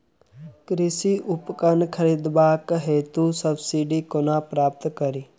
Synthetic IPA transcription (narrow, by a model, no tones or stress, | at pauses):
kɾɪsiʔʊpkənkʰəɾiːd̪baːkɦeːt̪usəbsiɖiːkonaːpɾaːp̚t̪kəɾiː